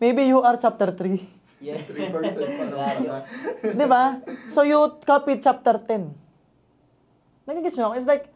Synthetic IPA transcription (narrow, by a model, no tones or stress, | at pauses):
mejbijuʔaɹt͡ʃap̚t̪ɛɹt̪ɾi | d̪ɪbasojukapit͡ʃap̚t̪ɛɹt̪ɛn | nɐɡɪɡɛsoŋɪts̬lajk̚